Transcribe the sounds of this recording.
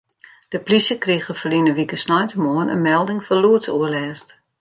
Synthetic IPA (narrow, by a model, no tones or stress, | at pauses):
d̥əplisəkriɣəfəlinəʋikəsnɔjtəmoənə̰nmɛlˠdɪŋfɔluətsuəlɛːst